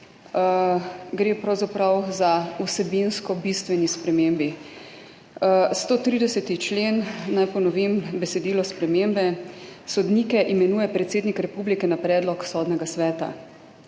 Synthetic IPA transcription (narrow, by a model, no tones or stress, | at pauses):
ɡɾeːpɾawzapɾawzausɛbinskɔbist̪ʋɛnispɾɛmembi | st̪oːt̪ɾid̪ɛsɛt̪it͡ʃleːnːajpɔnɔʋimbɛsɛd̪iːlɔspɾɛmembɛsɔd̪niːkɛʔimɛnuːjɛpɾɛt̪seːd̪nikɾɛpuːblikɛnapɾɛːd̪lɔksɔːd̪nɛɡasʋɛːt̪a̰